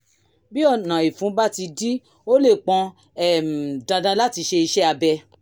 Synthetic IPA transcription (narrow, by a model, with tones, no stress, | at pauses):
bi˦ɔ˦˨nã˨i˨fũ˨˦ba˦ti˧di˦ | o˦le˦˨k͡pɔ̃˧ | ɛ˦m˨dã˨˧dã˧la˦ti˧ʃe˧i˧ʃɛ˦a˧bɛ˧